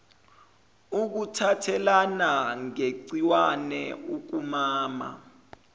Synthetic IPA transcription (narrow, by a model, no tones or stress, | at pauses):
uk̬utʰatʰɛlanaŋeǀiwanɛuk̬umaːma̰